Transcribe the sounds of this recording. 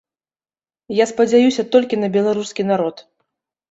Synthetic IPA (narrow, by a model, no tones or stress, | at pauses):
jaspɐd͡zʲajusʲɐt̪ɔlʲkʲinɐbʲɛlˠaɾuskʲinaɾɔt̪